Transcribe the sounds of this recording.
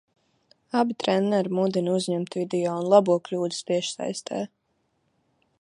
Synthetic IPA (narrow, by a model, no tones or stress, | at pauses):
abʲit̪ɾɛnɛɾmud̪inuzʲɲɛmt̪vid̪ɛjaːunlˠabuɔklʲuːd̪i̥spiɛʃsa̰jst̪ʰɛ̰ː